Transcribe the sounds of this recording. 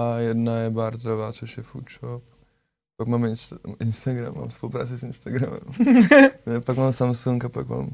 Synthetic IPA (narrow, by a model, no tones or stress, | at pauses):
jɛdnajɛbaɾt̪ɾovaːt͡soʃjɛfṵt͡ʃop̚ | pakmaːmɪnsʔɪnst̪aɡɾa̰mːa̰ːmspolupɾa̰ːt͡sɪsɪnst̪aɡɾa̰mɛ̰m | pakmaːmsamsuŋkapakma̰ːm